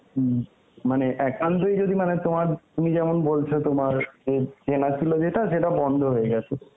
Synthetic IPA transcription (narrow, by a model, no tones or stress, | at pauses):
maneʔɛkant̪̬ojd͡ʑod̪ʱimanet̪omaɾt̪umid͡ʑɛmonbolt͡ɕʰot̪omaɾd͡ʑed͡ʑenat͡ɕʰilod͡ʑeʈaʃeʈabɔnd̪ʱoɦoeɡɛt͡ɕʰe